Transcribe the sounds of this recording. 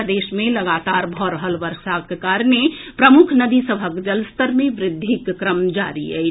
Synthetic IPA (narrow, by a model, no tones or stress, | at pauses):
d̪eʃmẽləɡat̪aɾbʱɔɾəɦəlʋəɾʃakekaɾnepɾəmukʰnəd̪isəbʱəkd͡ʒəlst̪əɾmẽʋɾɪd̪ʱːikːɾəmd͡ʒa̰ɾḭɛ̰ɪ